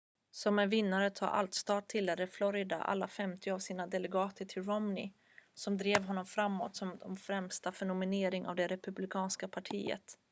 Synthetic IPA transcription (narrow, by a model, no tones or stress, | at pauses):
sɔmɛvɪnːaɾət̪ʰɑ̰ːʔa̰lt̪st̪ɑːt̪t̪ʰːɪlːɛɾəflɔɾɪd̪a̰ʔa̰lːafɛmt̪ɪavsiːnad̪ɛlɛɡɑːt̪ʰəʈʰɪlɾɔmnɪ̰ | sɔmd̪ɾeːvɦɔnːɔmfɾamːo̰ːt̪sɔmd̪ɔmfɾɛmst̪afɛɳʊmɪneːɾɪŋʔa̰vd̪ɛɾɛpɵblɪkʰɑːnskapʰaʈʰḭːə̰t̪